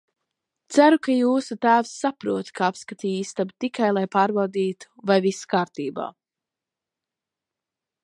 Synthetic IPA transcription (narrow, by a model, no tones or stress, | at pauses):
t̪sæɾukajuːsut̪æːvsːapɾuɔt̪kʰaapskat̪iːist̪abt̪ikajlˠajpaːɾbawd̪iːt̪u̥vajvisḁkaːɾt̪iːba̰ː